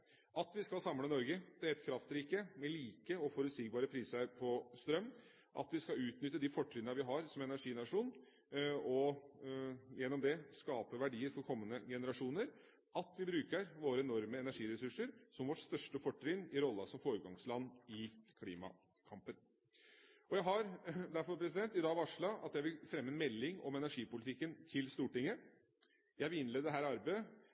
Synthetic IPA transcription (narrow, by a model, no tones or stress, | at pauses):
ʔɑt̪ʋɪskɑlsɑmːlənɔɾɡəd̪̥ɛæɾɛt̪kʰɾɑft̪ɾiːkəmɛliːkəɔfɔɾʉt̪siːɡ̚bɑːɾəpʰɾiːsɾpʰɔst̪ɾœmː | ʔɑ̰t̪ʋɪskɑʉːt̪nʏt̪ːəd̪ɪfɔʈːɾɪnəʋɪɦɑɾsɔmɛnæʂiːnɑʂuːn | ɔ | jɛnːɔmd̪ɛskɑːpəʋæɖiːəɾfɔɾkʰɔmːənəɡɛnəɾɑʂuːnəɾ | ʔɑt̪ʋɪbɾʉːkəɾʋoːɾəɛnɔɾməɛnæʂiːɾɛsʉʂəɾsɔmʋɔʈst̪œʂʈəfɔʈːɾɪnɪɾɔlːɑsɔmfoːɾəɡɑŋslɑnːɪkʰlḭːmɑ̰ | kʰɑmpən | ɔjæɪɦɑɾd̪æɾfɔɾpʰɾɛs̬ɪd̪ɛnt̪ɪd̪ɑːɡʋɑʂɭɑɑ̰t̪ːjæɪʋɪlfɾɛmːəɛnmɛlːɪŋɔ̰mɛnæʂiːpʊlɪt̪ɪkːənt̪ʰɪlst̪uːʈɪŋːə | jæɪʋɪlɪnleːd̪əd̪ɛɦæːɾɑɾbeə